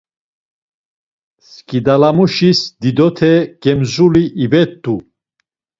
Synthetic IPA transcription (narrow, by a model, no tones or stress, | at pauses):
skʼid̪alamuʃisd̪id̪ɔt̪ʰɛɡ̥ɛmzuliʔibɛt̪ːu